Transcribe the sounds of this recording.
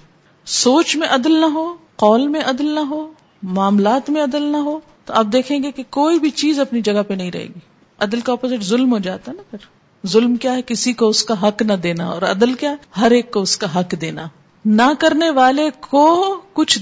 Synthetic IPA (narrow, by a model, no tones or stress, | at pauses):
soːt͡ʃmẽʔɐd̪əlnɐɦoːqɔːlmẽʔɐd̪lnɐɦoː | maːmlaːt̪mẽɐd̪əlnɐɦoː | t̪oɐp̚d̪eːkʰẽːɡekekoːibʱit͡ʃiːzɐpnid͡ʒɐɡapenɐɦĩɾɐ̰ɦḛːɡiː | ɐd̪əlkaɔːpoːzɪʈzʊlmɦod͡ʒaːt̪aɦɛnɐpɐɾ | zʊlmkjaːɦɛkɪsikoʊskaɦɐknɐd̪eːnaɔ̰ːɾɐ̰d̪əlkjaːɦɛɦɐɾeːkːoʊskaɦɐkd̪eːnaː | nɐkɐɾneʋaːlekokʊt͡ʃʰ